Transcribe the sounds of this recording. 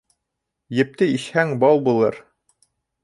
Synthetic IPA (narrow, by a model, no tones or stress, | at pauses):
jɘ̆p̚t̪ɘiʃhæŋbɑlˠbulˠɤɾ